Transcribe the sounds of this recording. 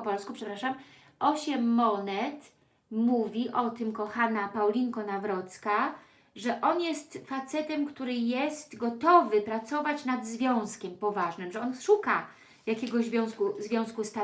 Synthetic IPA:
ɔpɔlskupʂɛpɾaʂam | ʔɔɕɛmːɔnɛt̪ | muvʲiʔɔt̪ɘmkɔxanapawlʲiŋkɔnavɾɔt̪ska | ʐɛʔɔnjɛst̪fat̪sɛt̪ɛmkt̪uɾɘjɛst̪ɡɔt̪ɔvɘpɾat̪sɔvat͡ɕnad̪zvʲjɔ̃w̃skʲɛmpɔvaʐnɘmʐɛɔnʂuka | jakʲɛɡɔʑzvʲjɔ̃w̃skuzvʲjɔ̃w̃skust̪a

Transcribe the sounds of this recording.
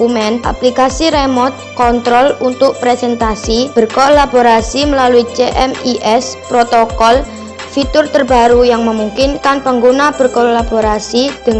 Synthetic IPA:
umɛnʔa̰plikasiɾemɔt̪̚kɔnt̪ɾɔlunt̪ʊk̚pɾɛsɛnt̪asib̥ə̤rkolab̥oɾasiməlaluit͡ʃeʔɛmiʔɛspɾot̪okɔl | fit̪ʊrt̪ərb̥a̤ɾujaŋməmuŋkɪnkanpəŋɡunab̥ə̤rkolaboɾasid̪̥əŋ

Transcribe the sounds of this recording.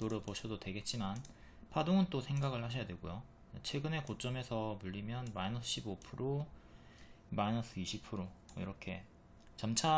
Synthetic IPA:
toɾɯpoɕʰʌdodwe̞ɡe̞t̚t͡ɕ͈iman | pʰadoŋɯnt͈osʰe̞ŋɡaɡɯɭhaɕ̬ʰʌjadweɡojo | et͡ɕʰwe̞ɡɯne̞kot͡ɕ͈ʌme̞sʰʌmuʎːimjʌnmainʌsʰɯɕ͈ʰibopʰɯɾo | mainʌs͈ʰɯiɕʰipʰɯɾoḭɾʌkʰe̞ | t͡ɕamt͡ɕʰa

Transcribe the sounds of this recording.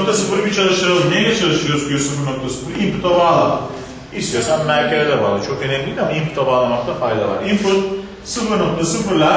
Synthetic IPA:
k̚t̪ʰasɨfɯɾbit͡ʃʰalˠɯʃɯɾɯznejlɛt͡ʃʰalˠɯʃɯjoɾuzk̪ʰʲijosɯfɯɾno̞k̚t̪ʰasɨ̥fɯɾimpu̥t̪ʰabaːlˠama | ist̪ijoɾsammæɾcʰelʲɛd̪ɛva̰ɾd̪ɯt͡ʃʰo̞kenemlʲiid̪amaimpu̥t̪ʰabaːlˠamak̚t̪ʰafajd̪a̰va̰ɾimfɯɾ | sɯfɯɾnok̚t̪ʰasɯfɯɾlʲa

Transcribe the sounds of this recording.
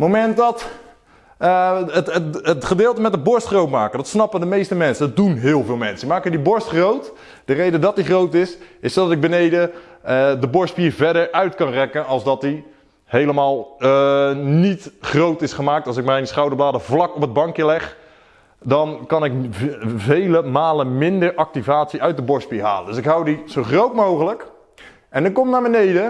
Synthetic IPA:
mowmɛntdɑt | ətəətχədɪːlˠtəmɛtəbɔɹstχrowtmaːkədɑtsnɑpəndəmejstəmɛnsədɑt̚dunɦɪːlˠvɪːlˠmɛnsəmaːkəndibɔɹstχrowt | d̥ərejdədɔt̚diχrowtɪsɪsodɑtɪɡ̚bənejdəədəbɔɹstpiːɹvɛdəɹœɥtkɑnrɛkənɑlˠzdɑtdi | hejləmaːlˠ | nitχrowtɪsχəmaːktɑlˠsɪk̚mɛjnsχɑwdəɹblaːdəvlɑkɔpɦəd̚bɑŋkjəlɛχ | dɑnkɑnɪkvejləmaːlənmɪndəɹʔɑk̚tivaːtsiœɥt̚dəbɔɹspiːɹɦa̰ːləndɵsɪkɦʌwdiz̥owχrowtmowχələk | ʔɛndəkɔmtnaːɹbənejdə

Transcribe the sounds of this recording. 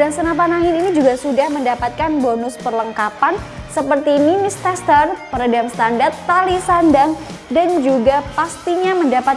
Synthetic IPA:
daŋsənap̬anaɦɪninid͡ʒuɡasudahməndapat̪̚kanbonʊspərləŋkapan | səpərt̪iːnimist̪ɛst̪ərpəɾadaŋst̪andart̪ːalisandaŋdand͡ʒuɡapast̪iɲaməndapat̪

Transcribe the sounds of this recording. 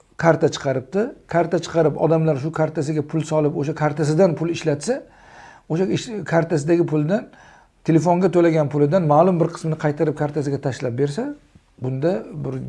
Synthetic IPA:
kʰaɾt̪ʰat͡ʃʰɨ̥qʰɑɾɪp̚t̪ɪkʰaɾt̪ʰat͡ʃʰɨ̥qʰɑɾɪpɒ̰d̪amlaɾʃʊkʰaɾt̪ʰasɪɡʲapʰʊlˠsɒlˠɪpoʃakʰaɾt̪ʰasɪd̪anpʰʊlˠɪʃlat̪sa | oʃaɪkʰaɾt̪asɪd̪aɡʲɪpʰʊlˠd̪an | t̪ʰe̞le̞foŋɡʲat̪ʰolaɡʲanpʰʊlɪd̪anmalˠʊmbɪɾqʰɨ̥smnɪqʰɑjt̪ʰaɾɪp̚kʰaɾt̪ʰasɪɡʲat̪ʰaʃlap̚be̞ɾs̬a | bʊnd̪abɪɾ

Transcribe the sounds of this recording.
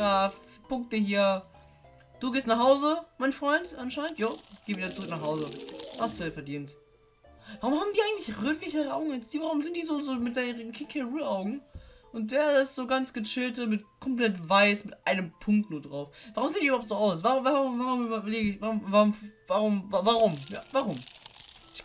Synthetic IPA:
aːf | pʊŋk̚t̚dəɦiːɐ | d̥uːɡeːstnaχhaʊzəmaɪnfʁ̥ɔʏntʔanʃaɪnəntjaːɡ̥eːviːdɐt͡sʊʁʏknaːχhaʊzəhastd̥uɛfɛɐdiːnt | vaʁʊmhaːbm̩diːʔaɪɡŋtlɪçʁøːtlɪçəʁaʊɡŋ̩jɛt͡sd̥iːvaʁʊmzɪntd̥iːzoːzoːmɪt̚d̥aʁənkʰɪkʰɛʁuʔaʊɡŋ̩ʔʊnt̚d̥eːɐɪstz̥oːɡant͡sɡ̥ət͡ʃɪltəmɪtkʰɔmpl̥ɛtvaɪsmɪtʔaɪnəmpʰʊŋk̚tnuːɐdʁaʊfvaʁʊmzeːndiybɐhʊptz̥oːʔaʊsvaʁʊmvaʁʊmvaʁʊmyːbɐybɐleːɡəɪçvaʁʊmvaʁʊmfvaʁʊmvavaʁʊmja̰ːvaʁʊmʔɪç

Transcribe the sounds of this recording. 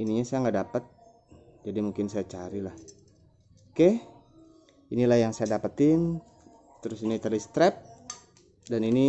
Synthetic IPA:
iniɲasajaŋɡadapət̪̚ | d͡ʒadimuŋkɪnsajat͡ʃaɾilah | kɛh | inilahjaŋsajadapət̪ɪn | t̪əɾʊsinit̪ərlist̪ɾɛp̚ | danini

